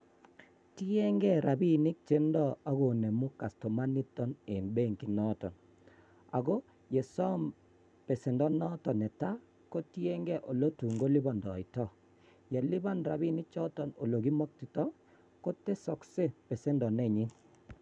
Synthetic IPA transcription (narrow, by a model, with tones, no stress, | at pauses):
ti˦e˦ŋɡɛ˦ɾa˨bi˦nɪ˦k̚t͡ʃe˦ndɔ˦a˦ɡo˨ne˨mu˦ka˨stɔ˨ma˦ni˦t̪ɔ˦ne˨nbe˦˨ŋki˨nɔ˦tɔ̰˨n | a̰˨ɡo˦ | je˨sɔ˦m | pe˨se˨ndɔ˦nɔ˦tɔ˨nɛ˨ta˦ | kɔ˦tje˦ŋɡɛ˦ʔo˨lo˦tu˨ŋɡo˦lɪ˦bɔ˨ndɔ˨ɪ˨tɔ˦˨ | jɛ˨lɪ˦ba˦nɾa˨bi˦nɪ˦t͡ʃɔ˦tɔ˨no˨lo˨ɡi˦mɔ˦k̚ti˨tɔ˦ | kɔ˦te˦sɔ˨kse˦pe˨se˦ndɔ˨nɛ˦˨ɲɪ˦